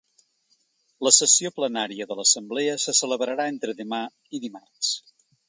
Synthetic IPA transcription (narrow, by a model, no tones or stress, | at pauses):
ləsəsioplənaɾiəðələsəmbleəsəsələβɾəɾaent̪ɾəðəma | iðimars